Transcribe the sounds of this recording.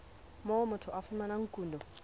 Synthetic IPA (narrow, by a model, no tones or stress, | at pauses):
mɔwɔmʊtʰʊʔafumanaŋ̩kuːndɔ